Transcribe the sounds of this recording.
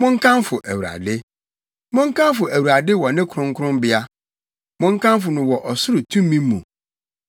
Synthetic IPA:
mʊ̃˦ŋ̩˦kʰã˦mfʊ˨ʔæ˨wu˨a̰˨dɪ˦ | mʊ̃˦ŋ˦kʰã˦mfʊ˨æ˨wu˨ɾa˨dɪ˦wɔ˨nɪ̃˦kʰʊ˨ɾʊ̃˦ŋkʰʊ˦ɾʊ̃˦mbɪ˦a˦ | mʊ̃˦ŋ̩˦kʰã˦mfʊ˨nʊ̃˨wɔ˨ʔɔ˨sʊ˦ɾʊ˨tʰũ˦m˦mːĩ˦mːũ˨

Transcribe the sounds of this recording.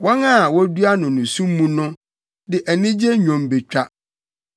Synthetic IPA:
wɔ̃˦na˦˨wɔ˦du˦a˦nʊ̃˨nʊ̃˨sũ˦mː˦ũ˦nʊ̃˦ | dɪ˨ʔæ˨nĩ˦d͡ʑe˦ɲᶣɔ̃˨mbe˨t͡ɕᶣa˦

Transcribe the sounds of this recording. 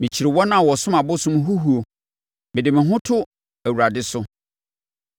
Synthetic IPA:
mɪ̃˨t͡ɕʰi˨ɾɪ˨wɔ˦nã˦˨wɔ˨sʊ̃˦mã˨bʊ˦sʊ̃˦m˦ɦu˦ɦu˨˦o˨ | mɪ˨dɪ˨mɪ̃˨ɦʊ̃˦tʰʊ˦ | æ˨wu˨ɾa˨dɪ˦sʊ˦

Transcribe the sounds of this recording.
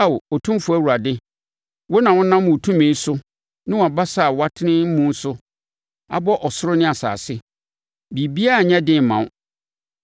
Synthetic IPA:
a˦wɔ˨tʰũ˦fʊ˨æ˦wu˨ɾa˨dɪ˦ | wo˦nã˨wʊ̃˦nã˦m˦mʊ̃˨tʰũ˦mẽ˨˦sʊ˦ | nɪ̃˦wa˨ba˦sa˦˨wa˦tʰɪ˦nɪ̃˦m̩˦mũ˦n̩˦sʊ˦ | a̰˦bɔ˦ʔɔ˨sʊ˦ɾʊ˦nɪ̃˦a˨sa̰ː˨sɪ˦ | bi˨bi˦a˦˨ɲɛ̃˦dɪ̃˦m˨mã̰˨ʊ̃˦

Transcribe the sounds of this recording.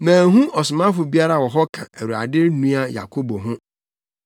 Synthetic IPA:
mæ̃ː˨ɦũ˦ʔɔ˨sʊ˨mã˦fʊ˨bi˦a˦ɾa˨wɔ˨ɦɔ˦kʰã̰˨æ˨ɾu˨a̰˨dɪ˦ɾnũ˦a˦ja̰˨kʰo˦bo˨ɦʊ̃˦

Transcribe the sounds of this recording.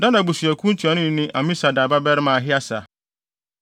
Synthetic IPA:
dã˦nã˨bu˨sɥæ˨kʰũ˦n̩˦tʰi˨a˨nʊ̃˦nɪ̃˦ʔa˨mĩ˦sa˨da˨ba˦bɛ˦ɾɪ˦mãː˨ɦɪ˦a˦sa˨

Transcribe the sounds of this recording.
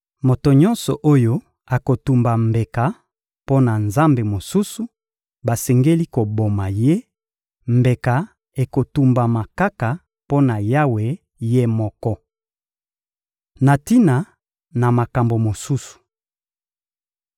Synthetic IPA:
mo˨to˨ɲɔ̃˦nsɔ˨ʔo˦jo˦ | a˨ko˨tu˨mba˨mbe˨ka˨ | po˦na˨nza˦mbe˨mo˨su˦su˨ | ba˨sɛ˨ŋɡe˦li˦ko˨bo˨ma˨je˦ | mbe˨ka˨ | e˨ko˨tu˨mba˨ma˨ka˦ka˨ | po˦na˨ja˦we˨ | je˦mɔ˨kɔ˦ | na˨ti˦na˨ | na˨ma˨ka˨mbo˨mo˨su˦su̥˨

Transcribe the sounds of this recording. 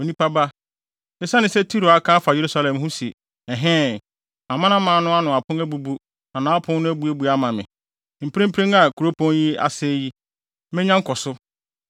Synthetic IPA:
o˨nĩ˦pa˦ba˦ | ɪ˦sa˦nɪ̃˨sɛ˦tʰi˦ɾo˨a˦kʰã˦fa˨je˨ɾu˦sa˦lɛ̃˨mɦʊ̃˦si˨ | ɛ˨ɦɛ̃˦˨ | a˨mã˦ã˦mãː˨˦nʊ̃˦a˦nʊ̃˨a˨pʰʊ̃˦æ˦bu˨bu˦ | nã˨nãː˨a˦pʰʊ̃˦n˦nʊ̃˦æ˦bu˨æ˦bu˨a˦mã˨mɪ̃˨ | m̩˨pɾĩ˦m˦pʰẽ˦ŋa˨kʰu˨ɾo˦pʰɔ̃˦nji˦a̰˨sɛ˦ji˦ | mɛ̃˦ɲã˦ŋ̩˦kʰɔ˨sʊ˦

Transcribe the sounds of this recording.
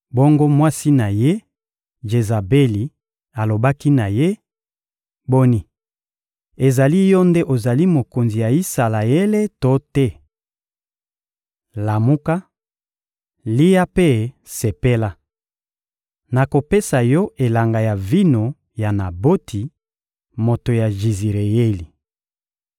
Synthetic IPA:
bo˦ŋɡo˦mwa˦si˦na˨je˦ | ʒe˨za˨be˦li˨ | a˨lo˨ba˦ki˦na˨je˦ | bo˦ni˦ | e˨za˨li˦jɔ˦nde˦ʔo˨za˨li˦mo˨ko˨nzi˨ja˨i˦sa˨la˨e˦le˦to˦tɛ˦ | la˨mu˦ka˦ | li˦ja˦pe˦ | se˨pe˦la˦ | na˨ko˨pe˦sa˨jɔ˦ʔe˨la˨ŋɡa˨ja˨vi˦no˨ | ja˨na˨bo˦tʰi˨ | mo˨to˨ja˨ʒi˨zi˨ʁe˨je˦li˨

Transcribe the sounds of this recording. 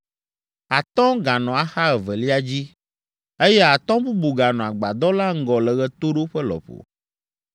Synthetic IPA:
a˨t̪ɔ̃˦ɡa˨nɔ̃˨a˨xa˦ɛ˨vɛ˨li˦a˦d͡ʑi˦ | e˦jɛ˦a˨t̪ɔ̃˦bu˦bu˨ɡa˨nɔ̃˨a˨ɡ͡ba˨d̪ɔ˦la˦ŋ̩˦ɡɔ˨lɛ˨ɣɛ˦t̪o˦ɖo˦ɸɛ˦lɔ̰˨ɸo̰˨

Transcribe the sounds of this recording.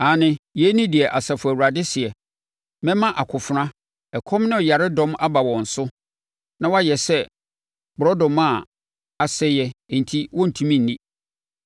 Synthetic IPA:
a˨nɪ̃˦jɛ˨˦nĩ˦di˨ɛ˨ʔa˨sa˨fʊ˨æ˨wu˨ɾa˨dɪ˦sɪ˨ɛ˨ | mɛ̃˦mã˦ʔa˨kʰʊ˨fʊ˨ɾã˦ | ɛ˨kʰɔ̃˦mnɪ̃˦˨ja˨ɾɪ˦dɔ̃˦ma˦ba˨wɔ̃˨n̩˨sʊ˦ | nã˦wa˦jɛ˨sɛ˦ | bʊ˨ɾɔ˦dɔ̃˨mã˦˨ | a˨sɛ˦jɛ˦˨n̩˨tʰi˦wɔ̃˦n̩˨tʰũ˦mĩ˦n̩ː˨ĩ˦

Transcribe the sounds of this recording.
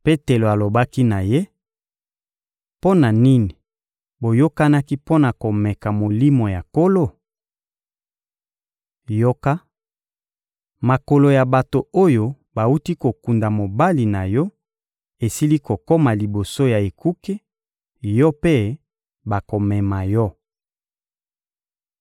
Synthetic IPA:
pe˦te˨lo˨a˨lo˨ba˦ki˦na˨je˦ | po˦na˨ni˦ni˨ | bo˨jo˦ka˦na˦ki˦po˦na˨ko˨mɛ˨ka˨mo˨li˦mo˨ja˨ko˦lo˦˨ | jo˦ka˦ | ma˨ko˨lo˨ja˨ba˨to˨o˦jo˦ | ba˨u˦ti˦ko˨ku˨nda˨mo˨ba˦li˨na˨jɔ˦ | e˨si˦li˦ko˨kɔ˦ma˨li˨bo˨so˦ja˨e˨ku˦ke˦ | jɔ˦pe˦ | ba˨ko˨mɛ˨ma˨jɔ˦

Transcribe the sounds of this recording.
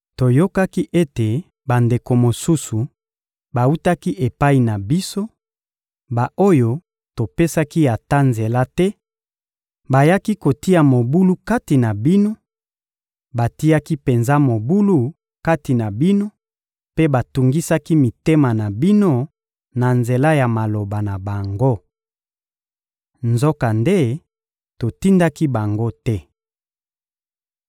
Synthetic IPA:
to˨jo˦ka˦ki˦ʔe˦te˨ | ba˨nde˨ko˨mo˨su˦su˨ | ba˨u˦ta˦ki˦ʔe˨pa˦i˨na˨bi˦so˦ | ba˨ʔo˦jo˦ | to˨pe˦sa˦ki˦ja˨ta˦nze˨la˦tɛ˦ | ba˨ja˦ki˦ko˨ti˦a˨mo˨bu˦lu˦ka˦ti˨na˨bi˦no˦ | ba˨ti˦a˦ki˦pe˨nza˦mo˨bu˦lu˦ | ka˦ti˨na˨bi˦no˦ | pe˦ba˨tu˨ŋɡi˦sa˦ki˦mi˨te˦ma˨na˨bi˦no˦ | na˨nze˨la˦ja˨ma˨lo˨ba˨na˨ba˨ŋɡo˦ | nzo˦ka˨nde˦ | to˨ti˦nda˦ki˦ba˨ŋɡo˦tɛ˦

